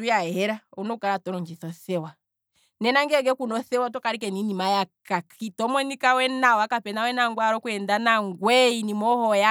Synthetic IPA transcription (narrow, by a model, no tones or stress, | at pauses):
ujahɛɾaunɔkaɾatɔɾɔɲd͡ʒiθɔθɛwa | nɛnaŋɡɛɡɛkunɔθɛwat̬ɔkaɾikɛninimajakakitɔmɔnikawɛnawakapɛnawɛnaŋɡwaɾɔkuɛndanaŋɡwɛinimɔhɔja